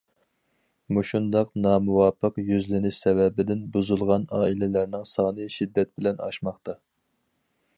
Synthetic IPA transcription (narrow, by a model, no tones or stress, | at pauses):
muʃund̪ɑqnɑːmuwɑːpʰːəqjyzlɪnɪsɛwɛbɪd̪ɪnbuzulˠʁɑnɑːilɪlæɾnɪŋsɑːnɨʃid̪ːɛt̪̚bɪlɛnɑ̰ʃmɑχt̪ɑ